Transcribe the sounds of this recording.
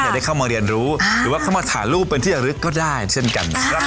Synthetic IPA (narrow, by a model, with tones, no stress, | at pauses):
jaː˨˩daː˥˩jkʰa˥˩wmaː˧ɾi˧ənɾuː˦˥ɾɯ˩˦waː˥˩kʰa˥˩wmaː˧t̪ʰa̰ː˩˦nluː˥˩pːe˧nt̪ʰiː˥˩t͡ɕa˨˩ɾɯ˦˥kːɔː˥˩daː˥˩jt͡ɕʰe˥˩nka̰˧nɾa˧˦˥